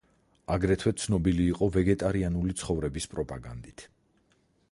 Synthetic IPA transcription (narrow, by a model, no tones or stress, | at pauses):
aɡɾɛt̪ʰwɛt̪sʰnɔbiliːqʼɔvɛɡɛt̪ʼaɾianulit̪sʰχɔvɾɛbispʼɾɔpʼaɡa̰nd̪it̪ʰ